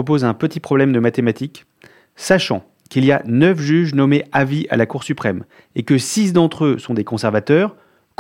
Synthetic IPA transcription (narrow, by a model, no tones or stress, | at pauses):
əp̬ozɛ̃pət̪ipχɔblɛmd̪əmat̪emat̪ik | saʃɑ̰̃ | kilijanœfʒyʒnɔmeaviʔa̰lakuʁsypχɛm | ekəsisd̪ɑ̃t̪χøsɔ̃d̪ekɔ̃sɛʁvat̪œːʁ | k